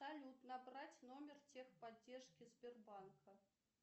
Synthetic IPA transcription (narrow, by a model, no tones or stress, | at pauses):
t̪ɐlʲut̪nɐbratʲnomʲɪrtʲexpɐdʲːerʂkʲizʲbʲɪrbankʰə